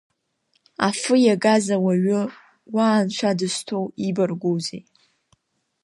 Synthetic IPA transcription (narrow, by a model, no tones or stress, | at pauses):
afɨjaɡazawaɥʊ | waːnʃʷʰadɨstʰowibarɡʷowzej